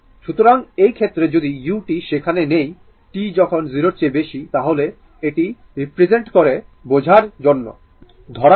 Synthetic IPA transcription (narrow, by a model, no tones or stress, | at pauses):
ʃut̪oɾaŋejkʰet̪ːɾed͡ʑod̪ijuʈiʃekʰanenej | ʈid͡ʑɔkʰonziɾoɾt͡ɕebeʃit̪aɦole | eʈi | ɾipɾed͡ʑeɳʈkoɾebod͡ʑʱaɾd͡ʑonːo̰ | d̪ʱɔɽa